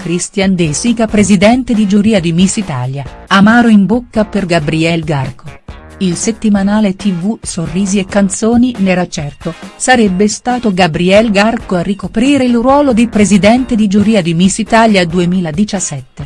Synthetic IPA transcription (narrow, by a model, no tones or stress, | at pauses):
kɾist̪jand̪esikapɾezid̪ɛnt̪ed̪id͡ʒuɾiːad̪imisːit̪a̰ːljaamaːɾoimbokːaperɡabɾiɛlɡarkʰo | ilset̪ːimanaːlet̪ivusorːiːziekːant̪soːninɛɾat͡ʃɛrt̪osaɾɛbːest̪aːt̪oɡabɾiɛlɡarkoarːikopɾiːɾeilrwɔːlod̪ipɾezid̪ɛnt̪ed̪id͡ʒuɾiːad̪imisːit̪aljad̪uemiːlad̪it͡ʃasːɛt̪ːe